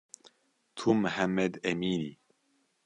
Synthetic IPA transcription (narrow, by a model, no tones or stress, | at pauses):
t̪ʰumħamːɛd̪ɛmiːni